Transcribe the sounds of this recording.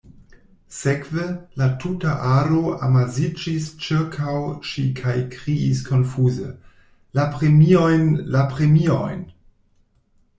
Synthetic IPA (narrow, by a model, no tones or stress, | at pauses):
sekvelatʰutaʔaɾoa̰mazid͡ʒist͡ʃiɾkʰawʃikʰajkɾiiskʰo̞nfuzḛ | lapɾemio̞jnlapɾemio̰jn